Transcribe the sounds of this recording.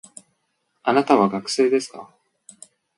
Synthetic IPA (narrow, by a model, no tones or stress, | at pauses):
anat̪aβaɡakɯ̟̥se̞ːd̪e̞sɨ̥ka